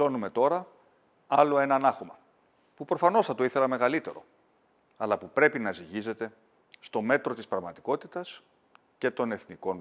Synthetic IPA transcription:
o̞nume̞t̪o̞ɾɐ | ɐlo̞e̞nɐnɐxomɐ | pupɾo̞fɐno̞sθɐt̪o̞iθe̞lɐme̞ɣɐlit̪e̞ɾo̞̰ | ɐlɐpupɾe̞pinɐziʝize̞t̪e̞ | st̪o̞me̞t̪ɾo̞t̪ispɾɐɣmɐt̪i̥ko̞t̪it̪ɐs | ce̞t̪o̞ne̞θniko̞n

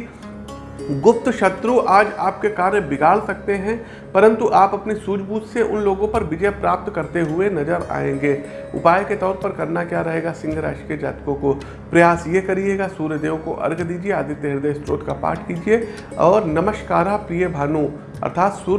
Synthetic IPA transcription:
ɡʊp̚t̪ʃɐt̪ɾuʔaːd͡ʒaːp̚kekaːɾnbɪɡaːlsɐk̚t̪eɦɛ̃ | pɐɾə̃nt̪uʔaːpɐpnisuːd͡ʒbuːt̪seʔʊ̰nloːɡõpɐɾʋɪd͡ʒɛjpɾaːp̚t̪kɐɾt̪eɦʊenɐd͡ʒəɾa̰ːẽːŋɡeː | ʊ̰paːjket̪ɔːɾpɐɾkɐɾnakjaːɾɐɦeːɡasɪ̃ŋɡʱɾa̰ːʃked͡ʒa̰ːt̪kõko | pɾɐjaːsjekɐɾieːɡasuːɾjəd̪eːʋko̰ʔɐ̰ɾɡd̪iːd͡ʒieaːd̪ʱit̪eɦɪɾd̪ɐsʈɾoːt̪kapa̰ːʈʰkiːd͡ʒie | ɔːɾnɐməʃkaːɾapɾijəbʱaːnu | ɐ̰ɾt̪ʰaːt̪suː

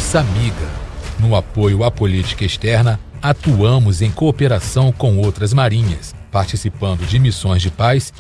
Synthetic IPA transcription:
samiɡɐnʊapojʊapolit͡ʃi̥kɐest̪ɛɾnɐ | at̪uɐ̃mʊzẽj̃koːpeɾasɐ̃w̃kõw̃owt̪ɾɐzmaɾĩɲɐs | paɾt͡ʃisipɐ̃nd̪ʊd͡ʒɪmisõj̃zd͡ʒɪpajs

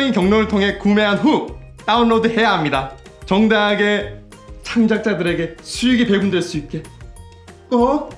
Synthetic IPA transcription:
inkjʌŋnoɾɯɭtʰoŋɦe̞kume̞ɦanɸu | t͈aunːodɯhe̞jaɦamɲida | t͡ɕʌŋdaɦaɡe̞ | t͡ɕʰaŋd͡ʑak̚t͡ɕ͈adɯɾe̞ɡe̞sʰujiɡipe̞ɡumndweɭs͈uit̚k͈e̞ | kʌ

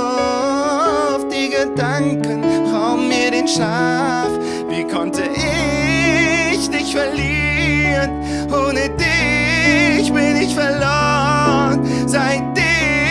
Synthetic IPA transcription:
fd̥iːɡədaŋkənfaʊnmiːɐɾeːnʃa | f | viːkʰɔntəʔɪ | çdɪçtfɛɐliː | ʁən | ʔoːnədɪ | çb̥ɪnɪçtfɛɐlɔːən | zaɪt̚d̥ɪ

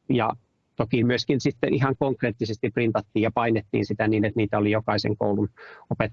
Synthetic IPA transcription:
jɑ̰ | t̪okimyøskinsit̪ːeʔihɑŋkoŋkreːt̪ːisest̪iprint̪ɑt̪ːiːjɑpɑinet̪ːḭːnsit̪æniːnet̪niːt̪æolijokɑisḛŋko̰ulunopet̪ː

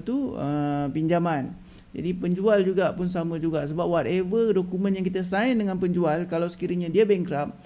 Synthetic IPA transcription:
t̪uəpiɲd͡ʒamãn | d͡ʒa̰dipəɲd͡ʒuald͡ʒuɡapʊns̬amãd͡ʒuɡaʔsəbap̚wat̪̚ɛvədokumə̃njãŋkit̪asaindəŋãnpəɲd͡ʒualkalawsə̥kiɾəɲãdiabɛŋkɾap̚

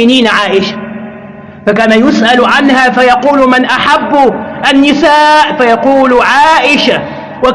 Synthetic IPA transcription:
ɪniːnʕaːʔɪʃḁ | fakaːnajʊsʔalʕanhaːfajɑquːlmɪnʔaħabːʔanːɪsaːʔfajɑquːlʕaːʔɪʃa | wa

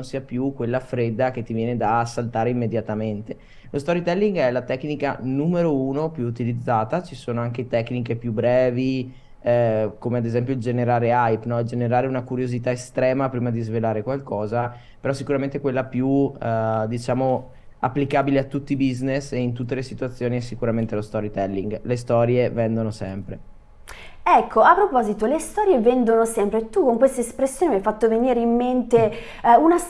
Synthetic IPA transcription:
onsiːapjukːwelːafɾed̪ːak̟et̪ːivjɛːned̪aːsːalt̪aːɾeimːed̪jat̪ament̪e | lost̪ɔɾit̪ɛlːiŋɡɛlat̪ɛknika̰numeɾouːnopjuːt̪ilid̪zːaːt̪at͡ʃisoːnoaŋk̟et̪ɛknikepjubːɾɛːvi | komead̪ezɛmpjoild͡ʒeneɾaːɾeajpnɔd͡ʒeneɾaːɾeunakuɾjozit̪aest̪ɾɛːmapɾiːmad̪izvelaːɾekwalkɔːza | peɾɔsːikuɾament̪ekwelːapju | d̪it͡ʃaːmo | a̰pːlikaːbileat̪ːut̪ːibizneseint̪ut̪ːelesit̪uat̪sːjoːniɛsːikuɾament̪elost̪ɔɾit̪ɛlːiŋɡlest̪ɔːɾjevɛnd̪onosɛmpɾe | ɛkʰːoapːɾopɔːzit̪olest̪ɔːɾjevɛnd̪onosɛmpɾet̪ːukoŋkwest̪aespɾesːjoːnimajfat̪ːoveniːɾeimːent̪e | una

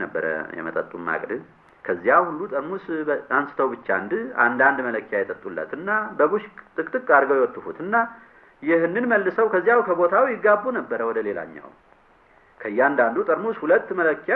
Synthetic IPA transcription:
nəbːə̰ɾə̰jɛ̰mət̪ʼət̪ʼːumma̰kʼd̪ɨ | kʰəzːjawhulːut̪ʼəɾmusansɨ̥t̪ʰəwbɨt͡ʃːand̪a̰nd̪and̪mələkːjajɛt̪ʼət̪ʼːulːə̰t̪ɨnːabəβuʃt̪ʼɨkʼt̪ʼɨkʼːaɾɡəwjɛwɔt̪ːɨfut̪ɨnːa | jɪhɨnːɨnməlːɨsəwkʰəzːijawkʰəβo̞t̪ʰawjɪɡːabːunəbːəɾəwɔd̪əle̞la̰ɲːa̰w | kʰəjːand̪and̪ut̪ʼəɾmushulət̪ːmələkːja

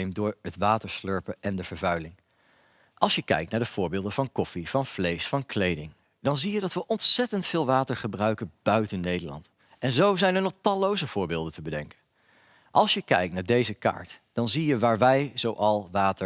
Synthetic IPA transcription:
jmdʊːɹɦətʋaːtəɹsløɹpəʔɛndəv̥əɹvœɥlɪŋ | ʔɑlˠsjəkɛ̰jk̚tnaːɹdəv̥ʊːɹbɪːlˠdənvɑnkɔfiv̥ɑnv̥lejsfɑnklejdɪŋ | d̥ɑnzijədɑtʋəʔɔntsɛtəntfɪːlˠʋaːtəɹχəbrœɥkənb̥œɥtənːejdəlɑ̰nt | ʔɛnzowzɛjnəɹnɔχtɑlowzəv̥ʊːɹbɪːlˠdəntəbədɛŋkən | ʔɑlˠsjəkɛ̰jk̚tnaːɹdejzəka̰ːɹtd̥ɑnzijəʋaːɹʋɛjzowʔɑlˠʋaːtə

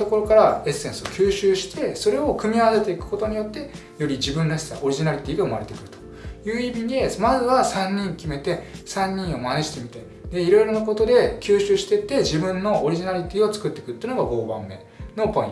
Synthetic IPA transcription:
t̪o̞ko̞ɾo̞kaɾae̞sːẽ̞ɰ̃sɨokʲɨːɕɨːɕi̥t̪ʰe̞so̞ɾe̞o̞kɯ̟mʲiaβ̞ase̞t̪e̞ikɯ̟̥ko̞t̪o̞ɲ̟ijo̞t̪ːe̞ | jo̞ɾʲid͡ʑibɯ̟̃nɾaɕi̥t̪a̰ʔo̞ɾʲiʑinaɾʲit̪ʲiːɡaɯ̟maɾe̞t̪e̞kɯ̟ɾɯ̟̥t̪o | jɯ̟ːimʲid̪e̞mazɨβasãɲʲːĩŋkʲime̞t̪e̞sãɲ̟ʲːĩɰ̃o̞maneʑi̥t̪e̞mʲit̪ai | d̪e̞iɾo̞iɾo̞nak̬o̞t̪o̞d̪e̞kʲɨːɕɨːɕi̥t̪e̞t̪ːe̞ʑibɯ̟̃nːo̞ʔːɾʲiʑinaɾʲit̪ʲiːo̞t͡sɨ̥kɯt̪ːe̞̥kɯ̟t̪ːeiɯ̟noɡaɡo̞ːbã̰mːe̞̰ | no̞põḭ̃

